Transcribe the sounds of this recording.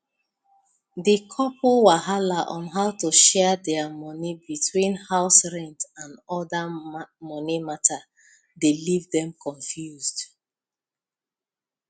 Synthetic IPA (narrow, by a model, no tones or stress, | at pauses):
dikʰɔpʰowaɦalaʔɔ̃nɦaʊtuʃɛdɛmɔnibitʰwĩnhaʊsɹɛ̃ntãnɔdamɔnimatʰa | delivdɛ̃mkʰɔ̃ɱfjuzd